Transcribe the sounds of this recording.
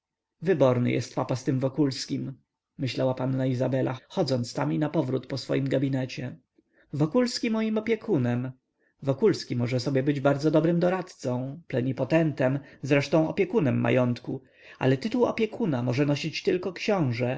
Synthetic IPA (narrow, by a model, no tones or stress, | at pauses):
vɘbɔɾnɘ̰jʔɛ̰st̪papast̪ɘmvɔkulskʲim | mɘɕlawapanːaizabɛla̰xɔd̪zɔnt̪st̪aminapɔvɾut̪pɔsfɔ̰jimɡabʲinɛt͡ɕɛ | vɔkulskʲimɔjimɔpʲjɛkʰunɛm | vɔkulskʲimɔʐɛsɔbʲjɛbɘd͡ʑbaɾd̪zɔd̪ɔbɾɘmd̪ɔɾat̪t̪sɔ̃w̃plɛɲipɔt̪ɛnt̪ɛmzɾɛʂt̪ɔ̃w̃ɔpʲjɛkunɛmːa̰jɔnt̪ku | a̰lɛt̪ɘt̪uwɔ̰pʲjɛkʰunamɔʐɛnɔɕit͡ɕt̪ɘlkɔkɕɔ̃w̃ʐɛ